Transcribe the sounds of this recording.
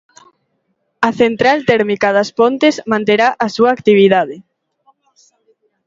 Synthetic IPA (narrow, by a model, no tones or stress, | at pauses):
ɐθent̪ɾalt̪ɛɾmikaðɐspont̪ezmãnt̪eɾaʔɐsuɐːkt̪iβiðaðɪ